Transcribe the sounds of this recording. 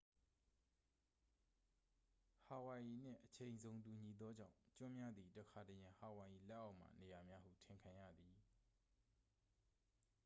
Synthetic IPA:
ha˨wa˨ji˨n̥ɪ̰̃˦˨ʔət͡ɕʰẽ˨ɪ̃nzõ˨ʊ̃tu˨ɲi˨d̪ɔ˦d͡ʑã̰˦˨ʊ̃t͡ɕʊ̃˦mja˦d̪ði˨də˨kʰa˨tə˨jã˨ha˨wa˨ji˨lɛ˦ʔːa˦ʊʔm̥a̰˦˨ne˨ja˨mja˦hṵ˦˨tʰɪ̃˨ŋkʰã˨ja̰˦˨d̪i˨

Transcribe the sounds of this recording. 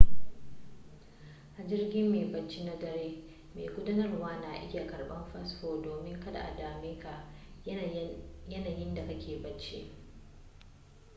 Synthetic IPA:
ʔa˨d͡ʒɪ˦rɡʲɪ˦mːeː˨bɐ˨t͡ʃːi˦na˦dɐ˦ɾeː˦ | meː˨kʷʊ˦dɐ˦nɐ˦rwaː˦na˨ʔɪ̰˦ja˨kɐ˨rɓɐ˦mɸɐ˦sɸoː˨doː˨mɪ˦ŋkɐ˦da̰˨ʔa̰˨daː˨meː˦ka˨ʔ | jɐ˦naː˨jɪ˦nda˨ka˦kʲeː˨bɐ˨t͡ʃːḛ˦ʔ

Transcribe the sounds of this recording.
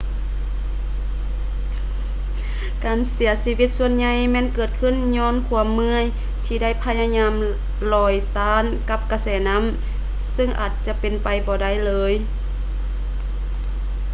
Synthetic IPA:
kaː˨˩nsi˨˩˦ɐsiː˧wi˧t̪̚su˧ənɲa˧jmɛː˧˥˨nkɤː˨˩t̪̚kʰɯ˧˥˨nɲɔː˧˥˨nkʰu˧˩əmːɯ˧˥ə˨j | t̪ʰiː˧da˥˩jpʰa˧ja˧ɲaː˧˥m | lɔː˧˩jt̪aː˧˥nka˧˥p̚ka˧sɛː˨˩na˧˥˨m | sɯ˧˩ŋʔa̰ː˨˩t̪̚t͡ɕa˧˦pe˨npa˨jbɔː˧da˥˩˨jlɤː˧j

